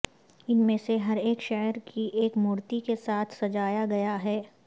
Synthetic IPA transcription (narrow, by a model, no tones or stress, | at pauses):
ɪnmẽseɦɐɾeːkʃɛɦəɾkʰiʔeːkmuːɾt̪ikesaːt̪ʰsɐd͡ʒaːjaɡɐjaɦɛː